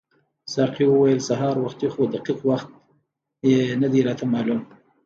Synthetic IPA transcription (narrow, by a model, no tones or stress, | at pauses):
sɑqiwəwajəlsaɦɑːɾwaxt̪ixod̪aqiqwaxt̪̚ | jenad̪iɾɑt̪amɑlum